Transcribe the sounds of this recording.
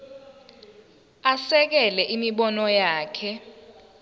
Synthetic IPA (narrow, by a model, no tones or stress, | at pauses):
asɛk̬ɛlɛʔimiɓɔnɔjaːkʰɛ